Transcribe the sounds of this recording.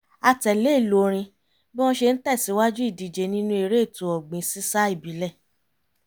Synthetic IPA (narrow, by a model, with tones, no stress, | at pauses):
a˧tɛ˨le˨˦˨lo˨˦ɾ̃ĩ˧ | bĩ˦ɔ̃˧ʃe˧n̩˦tɛ˦˨si˨˦wa˦d͡ʒu˦i˦˨di˨d͡ʒe˨˦nĩ˦nũ˧˦e˧ɾe˦˨tu˨ɔ˨ɡ͡bĩ˨˦si˦sa˦i˦˨bi˨˦lɛ˦˨